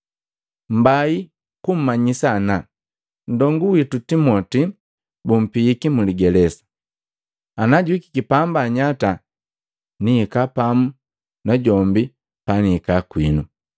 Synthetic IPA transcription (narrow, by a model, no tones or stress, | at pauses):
m̩bai | kum̩maɲisana | n̩dɔŋɡuwitutimɔti | bum̩piikimuliɡɛlɛsḁ | anaɟwiki̥kipambaɲata | niːkapamu | naɟɔmbi | paniːkakwinu